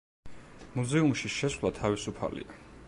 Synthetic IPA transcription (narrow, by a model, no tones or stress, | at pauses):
muzɛumʃiʃɛswvlˠat̪ʰavisupʰa̰lḭa